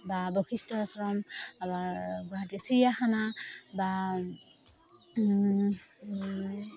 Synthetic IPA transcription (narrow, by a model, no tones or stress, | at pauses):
babɔkʰistɔsɔɹɔmbaɡaatisijaxanaba